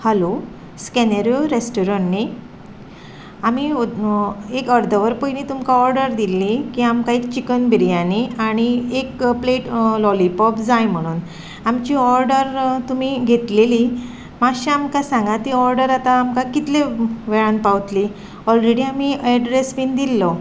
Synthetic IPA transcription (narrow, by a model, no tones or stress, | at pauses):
halo | skɛneɾjoɾesʈɔɾəɳni | ami | ekəɾd̪ʱəʋəɾpəinit̪umkaɔɾɖəɾd̪ilːikiamkaekt͡ɕikənbiɾijaniaɽ̃iekpleʈlɔlipɔpd͡zajm̤əɽ̃uːn | amt͡ɕiːɔɾɖəɾt̪um̤iɡʱet̪leli | maɕaamkasãŋɡat̪iɔɾɖəɾat̪aːmkakit̪leʋeɭənpawt̪li | ɔlɾeɽiamiɛɖɾesʋind̪ilːɔ